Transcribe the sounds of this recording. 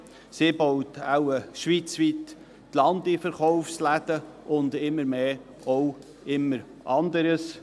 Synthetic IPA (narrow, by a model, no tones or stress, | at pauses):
sibɔwtawəʃʋit͡sʋit̪ | tlɑnd̪ifəɾχɔʊfslæd̪ə | ʔʊnd̪ɪmːəɾmeː | ɔw | ɪmːəɾ | ʔɑnd̪əɾəs